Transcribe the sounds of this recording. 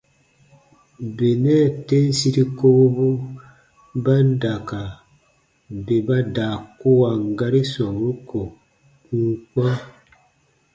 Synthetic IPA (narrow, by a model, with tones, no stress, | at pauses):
be˨nɛ˦˨te˦n˦si˦ɾi˦ko˦bo˦ | ba˦n˦da˨ka˨ | be˨ba˦daː˨ko˦a˨ŋ˨ɡa˦ɾi˦swa˨wu˦ko˨ | u˦kwa˦